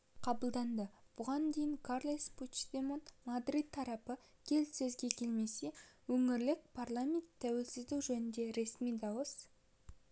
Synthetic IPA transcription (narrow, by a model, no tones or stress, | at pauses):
qʰɑbəlˠd̪ɑnd̪əb̥ʊʁɑnd̪e̞jɪŋkʰaɾlˠijsput̪ʃd̪emonmad̪ɾid̪̚t̪ʰːɑɾɑpə | kʲʰe̞lsɵzɡʲe̞kʲʰe̞lme̞se̞wɵŋɪɾlɪk̚pʰarlˠamʲe̞nt̪ʰːæwe̞lsɪzd̪uwʒɵnɪnd̪e̞ɾe̞smijd̪ɑwəs